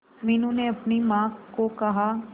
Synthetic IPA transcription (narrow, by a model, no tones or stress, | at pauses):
miːnuneɐpnimãːkokɐɦaː